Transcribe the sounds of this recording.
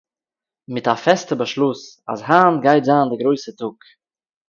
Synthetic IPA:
mɪtafɛstəbəʃlˠʊs | a̰sɦaːnɡaɪtzaːndɪɡɾoɪsətʊk

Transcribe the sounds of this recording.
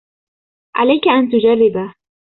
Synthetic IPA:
ʕa̰lajkaʔant̪ʊd͡ʒarːɪba

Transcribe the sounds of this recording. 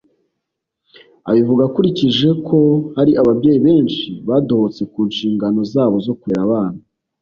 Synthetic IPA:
a̰βivuɡakuɾiciʒe̞kʰo̞haɾiʔaβabɟe̞ːjiβe̞ːnʃiβado̞hot͡se̞kuːnʃiːŋɡano̞zaːβo̞zo̞kuɾeɾaβaːn̥a

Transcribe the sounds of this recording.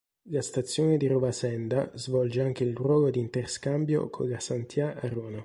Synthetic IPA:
last̪at̪sːjoːned̪iɾovasɛnd̪azvɔld͡ʒeaŋk̟eilrwɔːɡod̪iːnt̪erskambjo̰kʰo̰lasant̪jaaɾoːna

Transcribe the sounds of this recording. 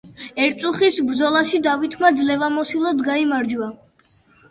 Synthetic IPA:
ɛɾt̪sʼuχisbɾd̪zɔlˠaʃid̪avit̪ʰmad̪zlɛvamɔsilˠɔd̪ɡaimaɾd͡ʒua

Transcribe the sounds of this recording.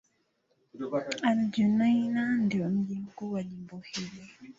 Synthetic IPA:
and͡ʒunajnandiwɔm̩ʄim̩kuwalimbɔhilɔ

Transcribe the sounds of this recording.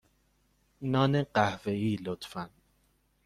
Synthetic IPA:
nɒːneɢæhve̞iːlot̪fæn

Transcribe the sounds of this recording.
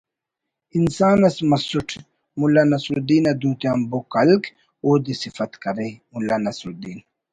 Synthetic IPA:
insaːnɐsmɐsuʈʰ | mulːaːnɐsɾud̪iːnɐd̪ũːt̪jaːmbokɐlk | oːd̪isifɐt̪kɐɾemulaːnɐsɾud̪iːn

